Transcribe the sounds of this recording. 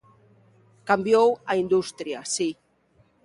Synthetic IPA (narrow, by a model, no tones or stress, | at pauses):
kambjowaind̪ust̪ɾiasi